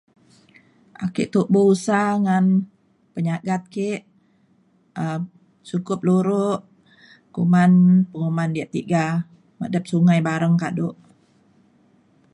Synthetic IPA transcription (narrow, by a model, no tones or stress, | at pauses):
ʔakiʔt̪uʔbousaŋan | pəɲaɡat̪̚keʔ | ə | sukʊp̚luɾʊʔ | kumanpəŋumandiaʔt̪iɡa | mə̰dəp̚suŋajbaɾəŋkaʔdoʔ